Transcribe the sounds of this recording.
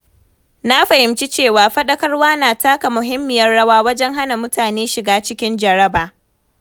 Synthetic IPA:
na˦ɸɐ˨hɪ˨mt͡ʃi˦t͡ʃeː˦˨waː˨ɸɐ˦ɗɐ˦kɐ˦rwaː˦naː˨taː˦ka˨mʊ˨ɦɪ˦mːɪ˨jɐ˦rɽɐ˦waː˦wɐ˦d͡ʒɛ˦ŋɦa˦na˨mʊ˦tʰaː˨neː˦ʃɪ˨ɡaː˦t͡ʃɪ˦kʲɪ˦nd͡ʒɐ˨ɽɐ˦baː˨

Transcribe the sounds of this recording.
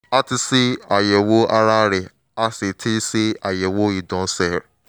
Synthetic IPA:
a˦ti˧si˦a˨jɛ˨wo˦a˧ɾa˦ɾɛ˨ | a˦se˨tʰi˦si˦a˨jɛ˨wo˦i˨dɔ̃˨˦sɛ˦˨ɾ

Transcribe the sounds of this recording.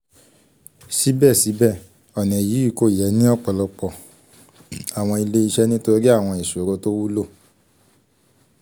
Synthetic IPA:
si˨˦bɛ˦˨si˨˦bɛ˦˨ | ɔ˨nɛ̃˨ji˨˦i˦˨ko˦˨jɛ˨˦nĩ˦ɔ˦˨k͡pɔ˨lɔ˧k͡pɔ˨ | a˨w̃ɔ̃˧i˧le˦i˧ʃɛ˦nĩ˦to˧ɾi˦a˦˨w̃ɔ̃˧i˨su˨o˨˦ɾo˧˦to˦wu˦lo˦˨

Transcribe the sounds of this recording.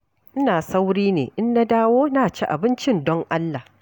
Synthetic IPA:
ʔɪ˦naː˨sa˦wɽiː˦nḛː˨ʔɪ˦nːa˦daː˦woː˦naː˨t͡ʃi˦ʔa˨bɪ˦nt͡ʃɪ˦ndɔ˦ŋʔa˦lːa˨

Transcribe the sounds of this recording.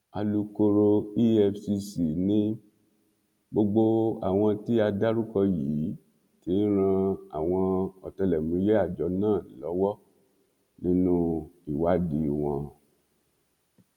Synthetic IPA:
a˧lu˧ko˧ɾo˧i˦ɛ˧fsi˧si˨nĩ˦ | ɡ͡bo˧ɡ͡bo˧a̰˨w̃ɔ̃˧ti˦a˧da˦ɾu˦kɔ˧ji˨˦ | ti˨˦n˦ɾ̃ã˧a̰˨w̃ɔ̃˧ɔ˨tɛ˧lɛ˨mũ˨˧˦je˦a˦˨d͡ʒɔ˨˦nãː˦˨lɔ˨˦wɔ˦ | nĩ˦nũ˦i˦˨wa˦di˨˦˨w̃ɔ̃˧

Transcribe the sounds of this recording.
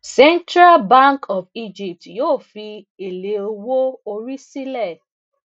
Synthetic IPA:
sɛ˦ntɾa˦lba˦ŋkʰɔ˨fi˦d͡ʒi˨p̚tjo˦˨fi˦ | e˨le˨o˨wo˦o˨ɾi˦si˦lɛ˦˨

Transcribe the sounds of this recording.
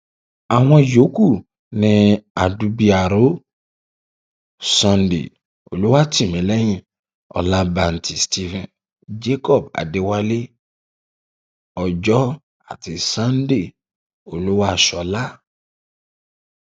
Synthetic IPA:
a˨ɦɔ̃˧jo˨˦ku˦˨ | nĩ˧a˨du˧bi˦a˨ɾo˦ | sɔ̃˧ndḛ˨ | o̰˨lu˦wa˦ti˨mĩ˨˦lɛ˦jĩ˨ | ɔ̰˨la˧ba˨n̩˨tʰi˨sti˦vɛ̃˨n | d͡ʒe˦kɔ˦˨b̚a̰˨de˨wa˦le˦ | ɔ˨d͡ʒɔ˦ | a̰˨ti˨sã˦n˦de˦˨ | o˨lu˦wa˦˨ʃɔ˨la˦

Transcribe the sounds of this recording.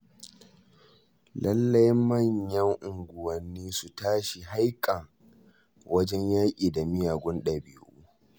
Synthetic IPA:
lʔɐ˦lːɐ˦jmmɐ˦˨ɲjɐ˦ŋʔʊ˨ŋɡʷʊ˨wɐ˨nːiː˦su˨taː˦ʃi˨ɦa˦jkʼɐ˨ŋ | wʔɐ˦d͡ʒɛ˦ɲjaː˦kʲʼiː˨da˨mɪ˦jaː˨ɡʷʊ˦nɗɐ˨bɪ˨˦ʔuː˦

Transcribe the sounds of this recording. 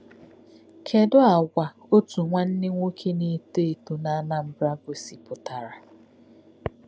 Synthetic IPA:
kʰe˨dʊ˦a˨ɡʷa˨ | o˦tu˨ŋʷa˦n̩˦nɪ˦ŋʷo˦kʰe˦ne˦te˦e˨tu˨na˦na˦m̩˦bɾa˦ɡʷʊ˨si˨pʊ˨ta˨ɾa˨

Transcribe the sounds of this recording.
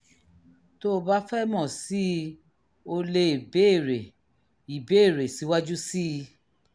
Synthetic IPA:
to˦˧ba˦fɛ˦mɔ̃˦˨si˦ | o˧le˧i˨be˦˨ɾe˨ | i˨be˨˦˨ɾe˨si˨˦wa˦d͡ʒu˦si˦˧

